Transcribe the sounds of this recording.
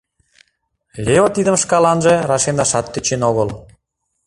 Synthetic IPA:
lʲeot̪id̪ə̆mʃkɑlɑnʒĕrɑʃend̪ɑʃɑt̪ːøt͡ɕenoɣəl

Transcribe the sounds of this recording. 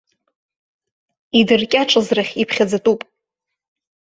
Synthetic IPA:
idɨrkʲʼaʈ͡ʂʼɨzraχʲipʰχʲad͡zatʼupʼ

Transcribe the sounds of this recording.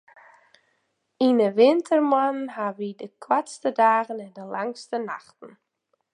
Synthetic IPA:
inəʋɪntʰərmanɦaʋidəkʰwatstədaːɣənɛndəlaŋstənaχtn̩

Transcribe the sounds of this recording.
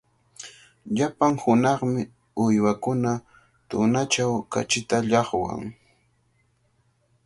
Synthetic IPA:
ʎapaŋhʊnɑχmɪ | ʊjwakʊna | t̪ʊnat͡ʃawka̰t͡ʃɪt̪aʎɑχwa̰ŋ

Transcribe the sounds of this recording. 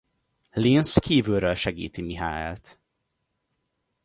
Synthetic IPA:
linskiːvylɾølʃɛɡḭːt̪imiɦa̰ːɛ̰lt̪

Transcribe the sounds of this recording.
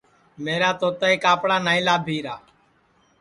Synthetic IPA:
meːɾaːt̪oːt̪əeːkaːpɽaːnaːĩːlaːbʱiːɾaː

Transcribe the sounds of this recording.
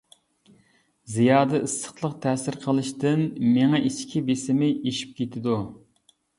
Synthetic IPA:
zijɑːd̪ɛʔɨsːə̥χlˠəqt̪ʰɛːsɪɾqʰəlˠɨʃt̪ɨnmeŋɛʔiʃkʲʰibesɪmɪʔeʃi̥p̚kʲet̪ʰɪd̪u

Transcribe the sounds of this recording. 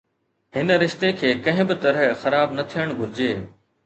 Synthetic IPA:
ɦɪn̆ɾɪʃt̪ekʰeːkɐ̃ɦɪ̃bɪt̪ɐɾəɦxɐɾaːbnɐt̪ʰijəɽ̃ɡʱʊɾɪd͡ʑeː

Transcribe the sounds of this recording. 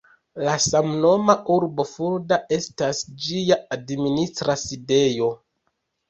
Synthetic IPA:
lasamno̞maʔuɾbo̞fuɾdaʔe̞stasd͡ʒijaadministɾaside̞jo̞

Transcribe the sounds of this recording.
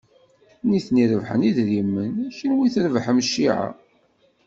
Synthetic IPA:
niθniɾəvħəniðɾimːənæçɾwiθɾəvħmʃːiʕa̰

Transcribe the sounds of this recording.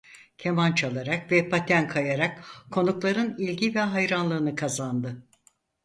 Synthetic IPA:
cʰemant͡ʃʰalˠaɾakvɛpʰat̪ʰænkʰajaɾakkʰo̞nuklˠaɾɯnilʲɟivɛɦajɾanlˠɯːnɯkʰazand̪ɯ

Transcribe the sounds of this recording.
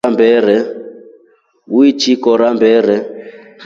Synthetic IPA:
ambʱɛːɾɛ | uit͡ʃʰikɔɾambʱɛːɾ̤ɛ

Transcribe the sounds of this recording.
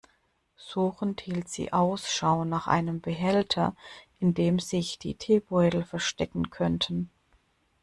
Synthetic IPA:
z̥uːxn̩thiːltz̥ḭːʔaʊsʃaʊnaːχʔa̰ɪnəmbəɦɛltʰɐ̰ʔɪndeːmzɪçd̥ḭːtʰeːbɔʏtl̩fɛɐʃtɛkŋ̩kʰɔntʰn̩

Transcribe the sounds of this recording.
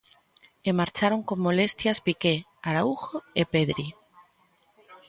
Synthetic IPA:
emaɾt͡ʃaɾoŋkomːolest̪jazpike | aɾauxoepeðɾi

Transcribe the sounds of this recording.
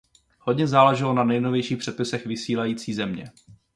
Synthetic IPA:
hodɲɛzaːlɛʒɪlo̞nanɛjnovjɛjʃiːxpr̝̥ɛt̪pɪsɛxvɪsiːlajiːt͡siːzɛmɲɛ̰

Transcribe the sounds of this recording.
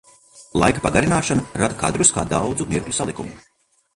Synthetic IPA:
lˠa̰jkapaɡaɾinaːʃanuɾad̪ka̰d̪ɾuska̰ːd̪awd̪zumiɾklʲusalˠikṵmu

